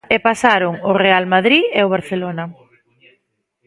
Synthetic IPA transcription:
epasaɾʊŋʊrealmaðɾieoβ̞aɾθelonɐ

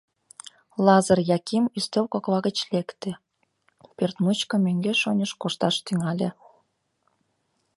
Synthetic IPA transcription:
lɑzərjɑkimyst̪owkoklɑɣət͡ɕlekt̪ĕ | pert̪mut͡ɕkɤ̆møŋɡeʃonʲəʃkoʃt̪ɑʃt̪yŋɑlʲḛ

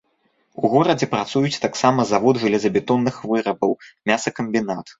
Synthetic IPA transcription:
uɣɔɾɐd͡zʲɛpɾat̪sujut͡sʲt̪aksamɐzavɔd̪ʐɨlʲɛzɐbʲɛt̪ɔnːɨxvɨɾɐbɐwmʲasɐkɐmʲbʲinat̪

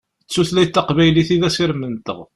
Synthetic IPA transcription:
ət͡sːuθlæjt̪ːɑqvæjliθiðæsiɾmənt̪ə̰ʁ

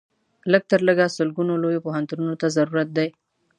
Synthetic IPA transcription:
ləɡ̚t̪əɾləɡasʊlɡunolojopoɦant̪ununot̪azaɾuɾat̪̚d̪aj

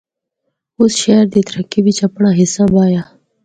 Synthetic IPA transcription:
ʊsʃeːɾd̪iːt̪ʰəɾəkiʋɪt͡ʃɐpɳaːɦɪsaːbaːjaː

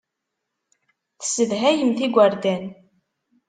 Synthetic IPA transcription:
θə̥səðɦæjəmθiɡʷaɾd̪æn

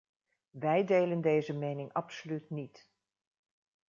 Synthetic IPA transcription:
ʋɛjdejləndejzəmejnɪŋɑpsolytnit

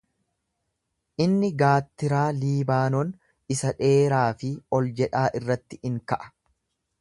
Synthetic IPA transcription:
ʔɪnːɪɡaːt̪ːɪɾaːliːbaːnɔn | ɪsɐᶑe̞ːɾaːfɪɔld͡ʒɛᶑaːʔɪrːɐt̪ːɪɪŋkɐʔɐ̥

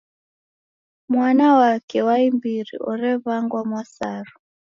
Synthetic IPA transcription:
mwanawakɛwaimbiɾḭʔɔɾɛβaŋɡwamwasaɾɔ

